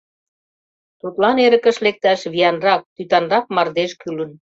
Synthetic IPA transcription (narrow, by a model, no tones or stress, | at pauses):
t̪ut̪lɑneɾə̆kə̆ʃlek̚t̪æʃβiɑnrɑk̚t̪yt̪ɑnrɑkmɑrd̪eʃkylə̆n